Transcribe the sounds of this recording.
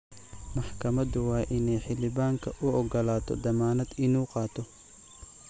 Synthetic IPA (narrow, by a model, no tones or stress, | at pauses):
mɑħkʰɐmɐd̪ʊwɑːʔɪnɛjħɪlɪβaːŋkʰɐʔʊʔɔɡɔlaːt̪ʰɔ̰d̪ɐmaːnɐd̪ɪnuːqɑːt̪ʰɔ